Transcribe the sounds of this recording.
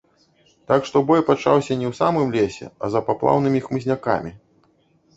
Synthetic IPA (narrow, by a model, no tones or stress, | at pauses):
t̪akʂt̪ɔbɔjpat͡ʂawsʲɐnʲɛwsamɨmlʲesʲɛ̰ɐzɐpaplˠa̰wnɨmʲixmɨzʲnʲaka̰mʲi